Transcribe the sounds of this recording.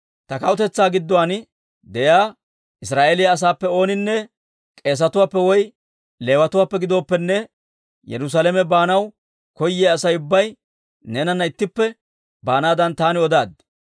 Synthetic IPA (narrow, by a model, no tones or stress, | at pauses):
t̪ɐkɐwʊt̪ɛt͡sːaːɡɪd̪ːɔwaːn | d̪ɛjaː | ʔɪsɾaːʔelɪjaːs̬aːpːɛo̞ːnɪnːɛ | kʼe̞ːs̬ɐt̪ʊwaːpːɛwɔj | le̞ːwɐt̪ʊwaːpːɛɡɪd̪o̞ːpːɛnːɛ | jɛ̰ɾʊs̬alɛmɛbaːnɐw | kɔjːɛːɐsɐjʊbːɐj | neːnɐnːɐɪt̪ːɪpːɛ | baːnaːd̪ɐnt̪aːnɪɔd̪aːd̪